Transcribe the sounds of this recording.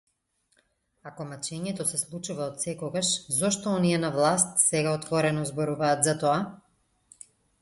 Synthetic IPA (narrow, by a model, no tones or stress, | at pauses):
akɔmat͡ʃɛɲɛt̪ɔsɛslˠut͡ʃuvaɔt̪sɛkɔɡaʃzɔʃt̪ɔɔniɛnavlˠast̪sɛɡaɔt̪vɔɾɛnɔzbɔɾuvaːt̪zat̪ɔa